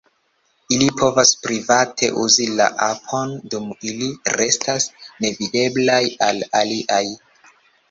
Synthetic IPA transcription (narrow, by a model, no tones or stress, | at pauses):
ilipʰo̞vaspɾivatʰe̞̰ʔuzila̰ʔapʰo̞ndumiliɾe̞stasne̞vide̞blajalaliʔaj